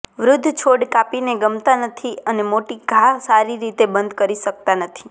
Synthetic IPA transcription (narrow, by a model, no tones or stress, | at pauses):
ʋɾʊd̪ʱːt͡ʃʰoɽkapineɡəmt̪anət̪ʰiənemoʈiɡʱasaɾiɾit̪ebənd̪ʱkəɾiʃək̚t̪anət̪ʰi̥